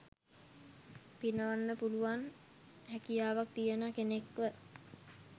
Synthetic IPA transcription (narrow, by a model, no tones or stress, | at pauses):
pinəʋanːəpuluʋan | hækijaːʋak̚t̪ijənakenekʋə